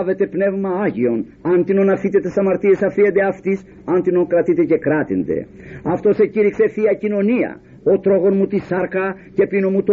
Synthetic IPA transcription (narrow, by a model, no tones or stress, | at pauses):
ve̞t̪e̞pne̞vmɐɐʝio̞n | ɐnt̪inonɐfit̪et̪e̞sɐmɐɾt̪ie̞sɐfiend̪eɐft̪is | ɐnt̪ino̞ŋkɾɐt̪it̪ece̞kɾɐt̪ind̪e̞̰ɐft̪o̞se̞ciɾikse̞θiɐcino̞niɐ̰ | ot̪ɾo̞ɣo̞nmut̪isɐɾkɐ | ce̞pinomut̪o